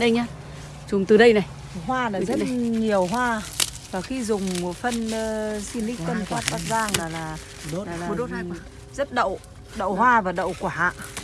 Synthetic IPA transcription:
ɗə˧jɲaː˧ | zʊ˨˩ŋ͡mt̪ɨ˨˩ɗə˧jna˨˩j | ɦwaː˧naː˨zə˦˥t̚ɲi˨˩əwɦwaː˧vaː˨˩xi˧zʊ˨˩ŋ͡mfə˧nː˧si˧lï˦˥k̪ə˧mkwaː˦˥t̚t̪aː˦˥zaː˧ŋlaː˨˩laː˨˩˧ | aː˨˩fo˧ɗo˦˥t̚ | zə˦˥t̚ɗə̰˧˨w | ɗə̰˧˨whwaː˧vaː˨˩ɗə̰˧˨wkwaː˨˩ha̰ː˧˨ʔ

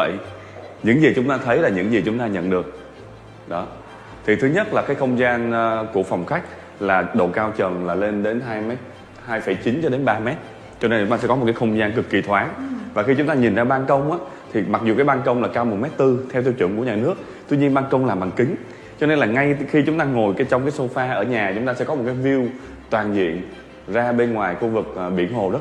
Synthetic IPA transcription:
ə̰˧˨j | ɲɨ̰˧˥ŋzi˨˩t͡ɕʊ˨˦ŋ͡mt̪aː˧t̪ʰə˨˦jlaː˨˩ɲɨ̰˧˥ŋzi˨˩t͡ɕʊ˨˦ŋ͡mt̪aː˧ɲə̰˧˨nɗɨ˨˩ək̚ | ɗɔ˨˦ | t̪ʰi˨˩ɨ˨˦ɲə˦˥t̚laː˨˩kaː˨˦jxə˧wŋ͡mzaː˧nː˧ku˧˩əfa˨˩wŋ͡mxa˦˥jk̟̚ | laː˨˩ɗo̰˧˨kaː˧wt͡ɕə˨˩nlaː˨˩le˧nɗe˨˦nɦaː˧jmɛ˦˥t̚ | haː˧jfə˧˩jt͡ɕi˨˦nt͡ɕɔ˧ɗe˨˦nɓaː˧mɛ˦˥t̚ | t͡ɕɔ˧ne˧nt͡ɕʊ˧˦ŋ͡mt̪aː˧sɛ̰˧˥ɔ˦mo˨˩t̚kaː˨˦xə˧wŋ͡mzaː˧nkɨ˨˩kːi˨˩t̪ʰwaː˨˦nvaː˨˩xi˧t͡ɕʊ˨˦ŋ͡mt̪aː˧ɲi˨˩nzaː˧ɓaː˧nkə˧wŋ͡mʔaː˨˦ | t̪ʰi˨˩ma˨˩k̚zu˨˩kaː˨˦jɓaː˧nkə˧wŋ͡mlaː˨˩kaː˧wm˨˩t̚mɛ˦˥t̚t̪ɨ˧t̪ʰɛ˧wt̪ʰi˧wt͡ɕɨ̰˧˩əŋku˧˩əɲaː˨˩nɨ˦˥ək̚ | t̪wi˧ɲi˧ənɓaː˧nkə˧wŋ͡mlaː˨˩ɓaː˨˩ŋkï˨˦ŋ̟ | t͡ɕɔ˧ne˧nlaː˨˩ŋa˧jxi˧t͡ɕʊ˨˦ŋ͡mt̪aː˧ŋo˨˩jka˨˦t͡ɕwŋ͡mkaː˨˦jso˧faː˧ʔəː˧˩ɲaː˨˩t͡ɕʊ˨˦ŋ͡mt̪aː˧sɛ̰˧˥kɔ˨˦mo˨˩kaː˨˦jvi˧əw | t̪waː˨˩nzḭ˧˨ən | zaː˧ɓe˧nŋwaː˨˩jxu˧vɨ˨˩k̚ːɓḭ˧˩ənɦo˨˩z

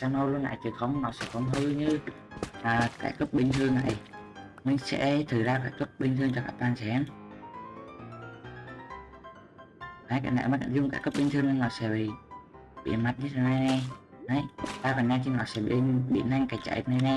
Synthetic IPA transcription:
saː˧wno˧lu˧ənʔa̰ː˧˨jt͡ɕɨ˨˩xə˧wŋ͡mnɔ˨˦sɛ̰˧˥xə˧˦wŋ͡mhɨ˧ɲɨ˧ | ʔəː˨˩ka̰ː˧˩jkə˦˥p̚ɓï˧ŋ̟t̪ʰɨ˧əŋna̰ː˧˨j | mï˧ŋ̟sɛ̰˧˥t̪ʰɨ˨˩zaː˧kaː˧˩jkə˦˥p̚ɓï˧ŋ̟t̪ʰɨ˧əŋt͡ɕɔ˧kaː˧˥k̚t̪aː˧nsɛ˨˦m˨ | naː˨˦jka̰ː˧˩jna̰˧˨˩mː˨˩ka̰˧˩zʊ˧ŋ͡mkaː˧˩jkə˦˥p̚ɓï˧ŋ̟t̪ʰɨ˧əŋ˧nɔ˨˦sɛ̰˧˥ɓḭ˧˨ | ɓḭ˧˨ənma˨˩t̚ɲɨ˦˥t̪ʰa˨˩na˨˧jna˨˩j | na˨˦jt̪aː˧kɔ˨˩nɲaː˧t̪ʰi˧nɔ˨˦sɛ̰˧˥ɓḭ˧˩˧ɓḭ˧˨na˧jŋkaː˧˩jt͡ɕa̰˧˨j̚na˧jna˨˧j

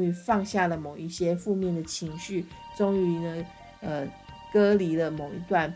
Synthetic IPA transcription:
y˧˥fɑ˥˧ŋɕja˥˩lə˩mo˨˩ʊi˥˩ɕjɛ˥fu˥˧mjɛ˥˩nd̪ə˩t͡ɕʰi˧˥ŋɕy˥˩ʈ͡ʂo˥ŋy˧˥nə˧ | ə˧ | kɤ˥li˧˥lə˧mo˨˩ʊḭ˧˥t̪wa˥˩n

